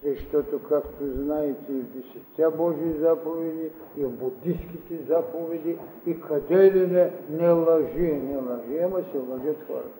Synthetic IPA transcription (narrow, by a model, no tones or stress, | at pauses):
zɐʃt̪ɔt̪okakt̪oznaɛt̪ɛivd̪ɛsɛt̪ʲabɔʒiːzapovɛd̪i | ivbud̪iskit̪ɛzapovɛd̪i | ikʰɐd̪ɛlinɛnɛlˠɐʒiɛnɛlˠɐʒiamɐsɛlˠɐʒət̪xɔ̰ɾɐ̰